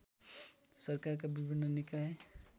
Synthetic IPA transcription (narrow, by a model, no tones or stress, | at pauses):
səɾkaɾk̬abɪbʱɪnːənɪkaɦɛ